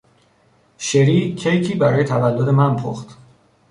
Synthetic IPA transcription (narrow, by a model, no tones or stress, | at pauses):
ʃeɾiːcʰejcʰiːbæɾɒːje̞t̪ʰævælːod̪e̞mænpʰo̰xt̪